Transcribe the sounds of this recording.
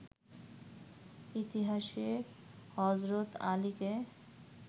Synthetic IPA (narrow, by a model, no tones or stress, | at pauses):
it̪iɦaʃe | hɔzɾot̪a̰like